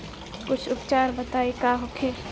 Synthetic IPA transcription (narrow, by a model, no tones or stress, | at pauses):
kʊt͡ʃʰʊpt͡ʃaːɾbɐt̪aːekaːɦokʰeː